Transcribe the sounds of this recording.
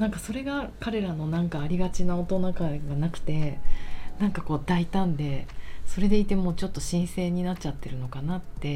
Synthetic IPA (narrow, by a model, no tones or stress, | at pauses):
nãŋkaso̞ɾe̞ɡakaɾe̞ɾano̞nãŋkaːɾʲiɡat͡ɕinao̞t̪onakaɡanakɯ̟̥t̪e̞ | nãŋkako̞ːd̪ait̪ãnd̪e̞so̞ɾe̞d̪e̞it̪e̞mo̞ːt͡ɕo̞t̪ːo̞ɕĩɰ̃se̞ːɲ̟inatt͡ɕat̪ːe̞ɾɯ̟no̞kanat̪ːe̞